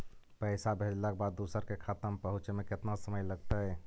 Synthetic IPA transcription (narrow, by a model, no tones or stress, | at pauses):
pəɪsabʱed͡ʒlakebad̪ːusəɾkekʰat̪əmpəɦut͡ʃmeket̪nasəməjləɡt̪əj